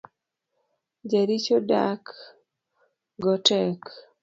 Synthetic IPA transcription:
d͡ʒaɾit͡ʃoda̰k | ɡɔtɛk

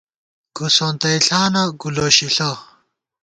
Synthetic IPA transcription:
ɡ̥usont̪ɐiɬaːnɐɡuloɕiɬɐ

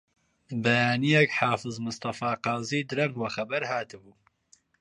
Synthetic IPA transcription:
bɛjaːnijɛkħaːfɨzmɨst̪ɑfaːqɑːziːd̪ɨɾɐŋɡwɐxɐbɐɾhaːt̪ɨbuː

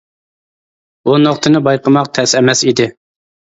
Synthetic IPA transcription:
unoqt̪ʰɨnɨbɑjqəmɑqt̪ʰɛsɛmɛsid̪ɪ

